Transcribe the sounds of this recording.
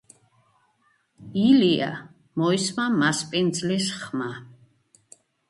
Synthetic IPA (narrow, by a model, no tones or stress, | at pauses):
ilia̰ | mɔismamaspʼind̪zlisχma